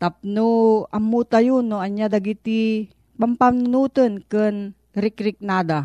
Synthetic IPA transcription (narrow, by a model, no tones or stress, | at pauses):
t̪ap̚noɐmːut̪ajunːoɐɲjad̪aɡit̪i | pampamnʊnut̪ənkən | ɾɪkɾɪk̚nad̪a